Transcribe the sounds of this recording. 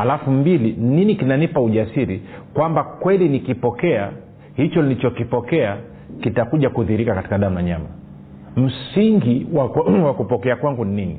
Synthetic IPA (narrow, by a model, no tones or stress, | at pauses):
halafumbilininikinanipauʄasiɾikwambakwɛlinikipɔkɛa | hit͡ʃɔnilit͡ʃɔkipɔkɛa | kitakuʄakuðiɾikakati̥kaɗam̩naɲama̰ | m̩siŋɡiwawakupɔkɛakwaŋɡunininḭ